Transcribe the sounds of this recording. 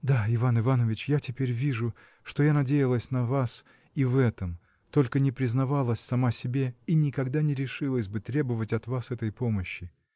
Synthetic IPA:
d̪aɪvanɨvanəvʲɪt͡ɕjatʲɪpʲeɾʲvʲiʐʊ | ʂt̪o̞janɐdʲejɪlˠəsʲnɐvas | ivɛt̪əm | t̪o̞lʲkənʲɪpɾʲɪznɐvalˠəsʲsɐmasʲɪbʲe̞inʲɪkɐɡd̪anʲɪɾʲɪʂɨlˠəsʲbɨt̪ɾʲe̞bəvətʲɐt̪vasɛt̪əjpoməɕːɪ

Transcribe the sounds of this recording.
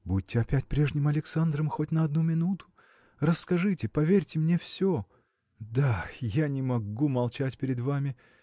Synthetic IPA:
bud̚ʲtʲːɪɐpʲætʲpɾʲe̞ʐnʲɪmɐlʲɪksand̪ɾəmxotʲnəɐd̪numʲɪnut̪ʊ̥ | rəsːkɐʐɨtʲɪpɐvʲerʲtʲɪmnʲefsʲo | d̪ajanʲɪmɐɡumɐlˠt͡ɕætʲpʲɪɾʲɪd̪vamʲɪ

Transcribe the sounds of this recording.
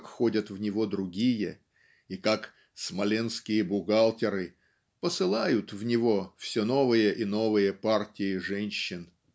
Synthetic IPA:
kxo̞dʲət̪vnʲɪvo̞d̪ɾʊɡʲijə | ikak | smɐlʲenskʲɪjəbʊɡalˠtʲɪɾɨ | pəsɨlˠajʊt̪vnʲɪvo̞fsʲono̞vɨjəʔino̞vɨjəpartʲɪɪʐɛnʲɕːɪn

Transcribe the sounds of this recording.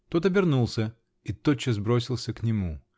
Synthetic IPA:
t̪o̞t̪ɐbʲɪrnulˠsʲə | it̪ot͡ɕːɪzbɾo̞sʲɪlˠsʲəknʲɪmu

